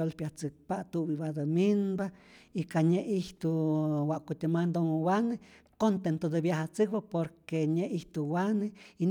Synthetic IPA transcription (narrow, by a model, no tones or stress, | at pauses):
olpjaht͡sɨk̚paʔt̪uʔbiβad̪ominbaikaɲeʔiht̪uwaʔkut̪imand̪oŋwanekont̪ent̪od̪ebjahat͡sɨk̚bapoɾkeɲeʔiht̪uwanein